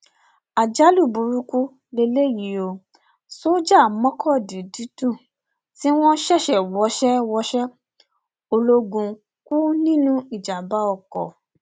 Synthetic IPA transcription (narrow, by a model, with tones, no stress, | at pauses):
a˨d͡ʒa˦lu˦˨bu˨ɾu˦ku˦ | le˧˦le˦˨ji˨˦o˧ | so˦d͡ʒa˦˨mɔ̃˦kʰɔ˦˨di˨di˨˦tũ˦˨ | ti˦w̃ɔ̃˦n˦ʃɛ˦˨ʃɛ˨wɔ˨˦ʃɛ˦wɔ˧˦ʃɛ˦ | o˧lo˧ɡũ˧ | ku˦nĩ˦nũ˦i˦˨d͡ʒa˨ba˨˦ɔ˧˨kɔ̰˨